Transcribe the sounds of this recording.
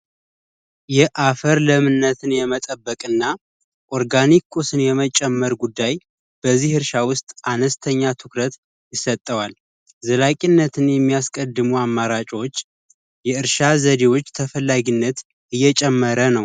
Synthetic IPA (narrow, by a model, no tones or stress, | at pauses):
jɛʔafəɾləmɨnːət̪ʰɨnjɛmət̪ʼəbːəkʼɨnːa | ʔoɾɡanikʰːusɨnjɛmət͡ʃʼɛmːəɾɡud̪ːaj | b̥əzihɨɾʃawʊst̪ʼanəst̪ʰəɲːat̪ʰɨkɾət̪ | jɪsət̪ʼːəwal | zəlakʼinːət̪ʰɨnjɛmːijaskʼəd̪ːɨmuamːaɾat͡ʃʼo̞t͡ʃː | jɛɨɾʃazəd̪ewo̞t͡ʃːt̪ʰəfəlːaɡinːət̪ | ʔɨjːɛt͡ʃʼɛmːəɾənəw